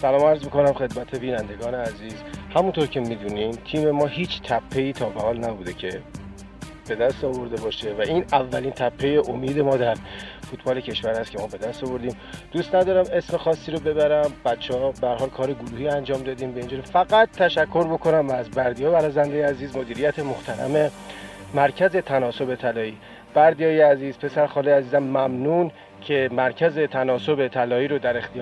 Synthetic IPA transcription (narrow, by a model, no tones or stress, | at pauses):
sælɒːmæɾzmiko̞næmxe̞d̪mæt̪ʰe̞biːnænd̪e̞ɡɒːneæziːzhæmunt̪ʰoɾcʰe̞mid̪unimt̪ʰiːme̞mɒːhiːt͡ʃʰt̪ʰæpʰːe̞iːt̪ʰɒːbehɒːlnæbuːd̪e̞cʰe̞ | b̥e̞d̪æst̪ɒːvo̞ɾd̪e̞bɒːʃe̞væʔiːnævːæliːnt̪ʰæpʰːe̞je̞ʔomiːd̪e̞mɒːd̪æɾfut̪ʰbɒːle̞cʰe̞ʃvæɾhæst̪cʰe̞mɒːbe̞d̪æst̪ɒvo̞ɾd̪iːm | d̪ust̪næd̪ɒːɾæme̞sme̞xɒːsːiːɾobe̞βæɾæmbæt̪t͡ʃʰːehɒbehæɾɦɒːlkʰɒːɾeɡuɾuːhiːænd͡ʒɒːmd̪ɒːd̪iːmbæind͡ʒuːɾifæɡæt̪ːæʃækʰːo̞ɾbo̞kʰo̞næmæzbæɾd̪ijɒːjæɾɒzænd̪ejeæziːzmo̞d̪iːɾijæt̪ʰe̞mo̞ht̪ʰæɾæ̰me̞ | mæɾcʰæze̞t̪ʰænɒːso̞be̞t̪ʰælɒːiː | b̥æɾd̪ijɒːjeæziːzpʰe̞sæɾxɒːliæziːzæmːæmnuːn | cʰe̞mæɾcʰæze̞t̪ʰænɒːso̞be̞t̪ʰælɒːiːɾod̪æɾe̞xt̪ʰij